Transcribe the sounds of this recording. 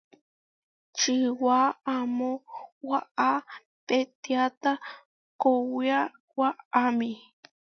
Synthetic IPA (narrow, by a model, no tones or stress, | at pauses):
t͡ʃiwaamõwaa | pet̪iat̪a | kowia | waamĩ